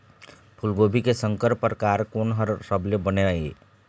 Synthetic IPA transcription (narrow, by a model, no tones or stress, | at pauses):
pʰʊlɡoːbʱikesə̃ŋkəɾpəɾkaːɾkoːnɦəɾsəblebəneaeː